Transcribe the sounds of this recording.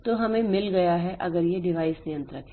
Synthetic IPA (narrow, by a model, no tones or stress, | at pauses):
t̪oɦɐmẽmɪlɡɐjaɦɛʔɐɡəɾjeɖɪʋaːɪsnɪjə̃nt̪ɾəkʰe